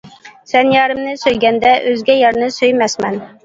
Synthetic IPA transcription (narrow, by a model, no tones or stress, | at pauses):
sɛnjɑːɾɨmnɨsøjɡʲɛnd̪ɛʔøzɡʲɛjɑɾnɨsøjmɛsmɛn